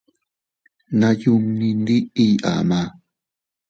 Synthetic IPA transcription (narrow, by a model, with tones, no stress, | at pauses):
na˧ju˦˧mni˧nd̪i˦i˦jʔa̰˨ma˦